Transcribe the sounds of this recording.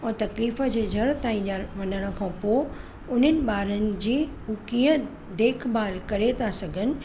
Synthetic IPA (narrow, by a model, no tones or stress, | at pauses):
ɔ̃ːt̪ɐkliːfəd͡ʑeːd͡ʑʱɐɾt̪aːĩnaʋɐnəɽ̃ə̃̆kʰãːpo | ʊn̤ənɪ̆ɓaːɾənɪ̆d͡ʑiːɦukiːə̃ | d̪eːkʰbaːlkɐɾet̪ʰasɐɡʱənɪ̆